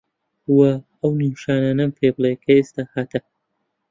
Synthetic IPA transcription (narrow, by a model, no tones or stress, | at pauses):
wɐ | ɐwniwʃaːnaːnɐmpʰeblˠekʰɐest̪aːhat̪ʰɐ